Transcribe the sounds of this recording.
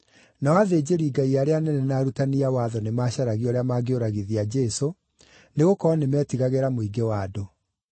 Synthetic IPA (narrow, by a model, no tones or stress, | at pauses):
nawaðeːd͡ʑeɾiːɡaiaɾeanɛnɛnaːɾutaniawaːðɔnemaːɕaɾaɣiɔɾeamaːɡeoɾaɣiðiad͡ʑɛso | neɣokɔnemɛːtiɣaɣeɾamoiɡewaːdo